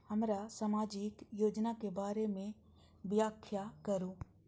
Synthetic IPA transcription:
hɐmɾasamaːd͡ʒɪkjoːd͡ʒnakebaːɾemẽ | bjaːkʰjakɐɾũː

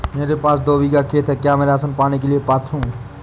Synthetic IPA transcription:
meːɾepaːsd̪oːʋiːɡakʰeːt̪ʰɦɛːkjaːmeːɾaəsənpaːñikelijepaːt̪ʰɾũː

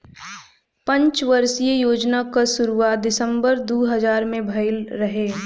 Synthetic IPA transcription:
pɐ̃ɲt͡ʃʋɐɾsijejoːd͡ʒnakasʊɾuad̪ɪsə̃mbəɾd̪uːɦɐzaːɾmẽbʱɐɪlɾɐɦeː

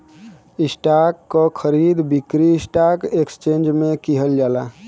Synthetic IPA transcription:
isʈakːɔkʰəɾid̪bikɾiːsʈakekst͡ʃend͡ʒmekiɦəld͡ʒala

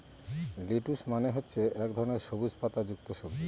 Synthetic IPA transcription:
liʈuʃmaneɦotːɕʰeʔɛkd̪ʱɔɾoneɾʃobud͡ʑpat̪ad͡ʑuk̚t̪oʃob

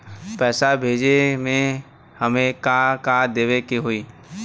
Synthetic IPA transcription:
pɛːsabʱeːd͡ʒemẽ | həmẽkãkãd̪eːʋekeɦoiː

